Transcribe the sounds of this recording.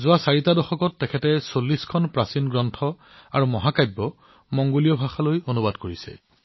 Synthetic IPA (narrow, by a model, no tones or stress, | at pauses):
zʊwasaɹitadɔxɔkɔtːɛkʰɛtɛsolːiskʰɔnpɹasinɡɹɔntʰɔ | aɹumɔɦakajbːɔ | mɔŋɡolijɔbʱaxalojonubadkoɹisɛ̰